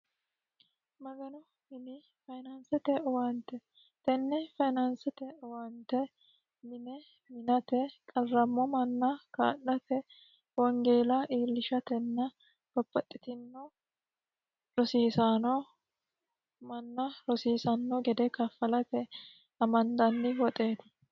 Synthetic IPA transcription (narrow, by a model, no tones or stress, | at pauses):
mɐɡɐnɔ | mɪnɪ | fɐjnɐnsɛt̪ɛwaːnt̪ːɛ | t̪ɛnːɛfɐjnɐnsɛt̪ɛwant̪ɛ | nɪmɛ | mɪnɐt̪ɛkʼɐrːɐmːɔmɐnːɐka̰ːʔːɐt̪ɛ | wɔŋɡeːlɐʔiːlːɪʃɐt̪ɛnːɐ | b̥ɐbːɐt̪ʼːɪt̪ɪnːɔ | ɾɔsiːsanɔ | mɐnːɐɾɔsiːsɐnːɔɡɛd̪ɛkɐfːɐlɐt̪ɛ | ɐmɐnd̪ɐnːɪwɔt̪ʼeːd̪ɐ